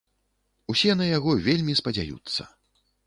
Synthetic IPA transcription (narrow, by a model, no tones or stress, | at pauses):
usʲɛnɐjaɣɔvʲelʲmʲispɐd͡zʲa̰jṵt̪sːɐ̰